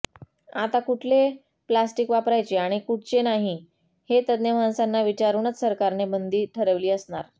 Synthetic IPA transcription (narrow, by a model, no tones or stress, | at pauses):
at̪akuʈʰle | plasʈikʋapɾajt͡ɕeaɽ̃ikuʈ̚ʰt͡ɕenaɦi | het̪əd̪njəmãnsanːaʋit͡ɕaɾuɳət͡ssəɾkaɾnebənd̪ʱiːʈʰəɾəʋliːəsɳaɾ